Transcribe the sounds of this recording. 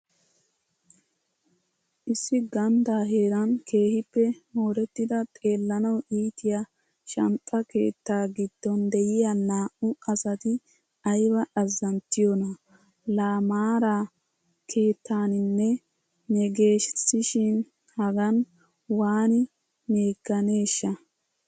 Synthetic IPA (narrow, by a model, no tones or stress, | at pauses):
ʔɪsːɪɡɐnd̪aːɦe̞ːɾɐnkʰe̞ːhɪpːɛmoːɾɛt̪ːɪd̪ɐt̪ʼe̞ːlːɐnɐwʔiːt̪ɪja | ʃɐmpʼːɐke̞ːt̪ːaːɡɪd̪̥ːɔnd̪ɛjɪjanaːʔʊɐsɐt̪ɪ | ɐjbɐʔɐzːɐnt̪ːɪjɔnɐ | laːmaːɾaː | kʰe̞ːt̪ːaːnɪnːɛ | nɛɡe̞ːʃsɪʃɪn | hɐɡɐn | waːnɪ | me̞ːɡːɐne̞ːʃːɐ